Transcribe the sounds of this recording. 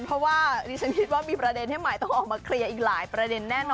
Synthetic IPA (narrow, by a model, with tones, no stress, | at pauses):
npʰɾɔ˦˥waː˥˩ɾiː˦˥t͡ɕʰa˦˥nkʰi˦t̪̚waː˥˩miː˧pɾa˧de˧nha˥˩jma˨˩jt̪ɔ˥˩ŋʔɔː˨˩k̚maː˧kʰɾi˧ɐʔiː˨˩k̚laː˩˦jpɾa˧de˧nːɛː˥˩nɔ˧